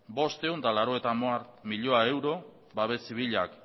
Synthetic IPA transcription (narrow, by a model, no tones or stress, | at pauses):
bo̞st̪e̞unt̪alaɾo̞e̞t̪amoaɾmiʎo̞ae̞wɾo̞ | baβe̞siβiʎak